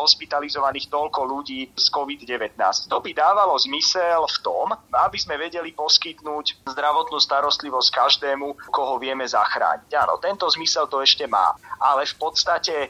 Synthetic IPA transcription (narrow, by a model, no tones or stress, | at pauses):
ɦɔspit̪alizɔʋaniːxt̪ɔlkɔluɟiːskɔʋid̪ɟɛʋɛt̪na̰ːsct̪ɔbid̪aːʋalɔzmisɛlft̪ɔmabizmɛʋɛɟɛlipɔskit̪nuːczd̪ɾaʋɔt̪nuːst̪aɾɔst̪liʋɔsc̚kaʒd̪ɛːmukɔɦɔʋɪɛmɛzaxɾa̰ːɲiɟaːnɔ̰t̪ɛnt̪ɔzmisɛlt̪ɔɛʃcɛma̰ːʔalɛfpɔt̪st̪acɛ